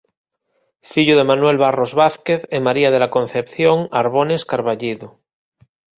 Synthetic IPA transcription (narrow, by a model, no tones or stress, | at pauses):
fiʎuð̞e̞manwe̞lβarozβaθkeθemaɾiað̞elako̞nθepθjoŋaɾβoneskaɾβaʎiðu